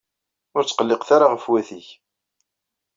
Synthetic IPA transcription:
ʊɾt͡sːqəlːeqθaɾaʁəfwæθiç

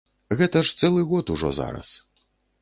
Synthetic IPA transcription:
ɣɛt̪ɐʂt̪sɛlˠɨɣɔt̪uʐɔ̰za̰ɾɐ̰s

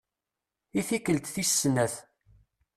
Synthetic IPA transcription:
iθikːəlt̪θisːnæθ

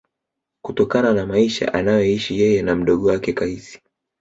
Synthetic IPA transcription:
kutɔkananamaiʃa̰ʔanajɛiʃijɛjɛnam̩ɗɔɠɔwakɛkaisi̥

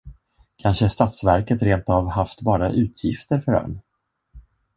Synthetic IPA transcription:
kʰanʂəʂt̪at̪svæɾkət̪ɾeːnt̪avhaft̪bɑːɾaʔʉ̟ːt̪ʰjɪft̪əɾfœɾœ̰ɳ

